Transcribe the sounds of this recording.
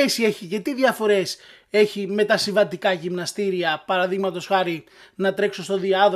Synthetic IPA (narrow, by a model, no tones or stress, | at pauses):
esie̞çiʝɐt̪iðʝɐfo̞ɾe̞s | e̞çime̞t̪ɐsiɱvɐnd̪ikɐʝimnɐst̪iɾiɐpɐɾɐðiɣmɐt̪o̞sxɐɾi | nɐt̪ɾe̞kso̞st̪o̞ðiɐðo